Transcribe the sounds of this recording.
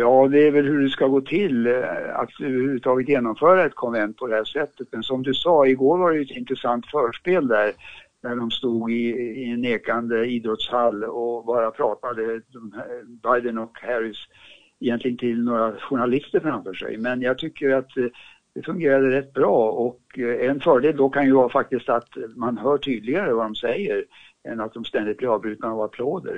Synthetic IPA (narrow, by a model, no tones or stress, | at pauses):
jɑːd̪ɛæɾvɛlhɵɖɛskaɡoːt̪ʰɪla̰t̪øvəɾhʉvʉt̪ʰɑːɡət̪jeːnɔmfœːɾaɛt̪̚kʰɔnvɛnt̪̚pʰɔd̪ɛhæːʂɛt̪ːət̪mɛnsɔmd̪ɵsɑːɪɡoːɾvaɖɛjɵɛt̪ɪnt̪ɾəsant̪fœːʂpeːld̪æɾ | d̪æɖɔmst̪uːɡɪːɛnːeːkand̪əiːd̪ɾɔt̪shalːɔbɑːɾapʰɾɑːt̪ad̪əd̪ɔmbajd̪ənɔkhæɾɪs | ɛjɛnt̪lɪɡənt̪ʰɪlnoːɾaɧʊɳalɪst̪əɾfɾamfœːʂɛ̰jmɛnjɑːɡ̚t̪ʰʏkʰːəɾat̪ | d̪̥ɛfɵŋɡeːɾad̪əɾɛt̪ːbɾɑːɔkɛnfœːɖeːld̪ɔkʰanjɵvɑːfak̚t̪ɪst̪at̪manɦœːʈʰyːd̪lɪɡaɾəvad̪ɔmsɛjːəɾ | ɛnat̪̚d̪ɔmst̪ɛnd̪ɪt̪̚blɛɑːvbɾʉ̟ːt̪naavapʰloːd̪ə̰ɾ